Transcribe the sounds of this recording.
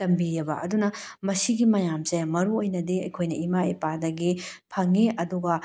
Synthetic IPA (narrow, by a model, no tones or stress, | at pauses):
tɐmbijɐbɐ̰ʔɐdunɐmɐsiɡimɐjamzɐjmɐɾuojnɐdiɐjkʰojnɐimaipadɐɡipʰɐŋiʔɐduɡɐ